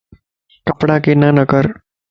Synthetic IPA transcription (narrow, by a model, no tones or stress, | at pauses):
kɐpɽãkenanəkəɾ